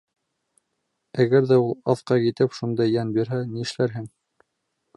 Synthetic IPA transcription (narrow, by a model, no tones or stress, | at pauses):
æɣæɾðæulˠɑθqɑkit̪ɘpʃund̪ɑjːænbiɾɦæniɘ̆ʃlæɾɦɘŋ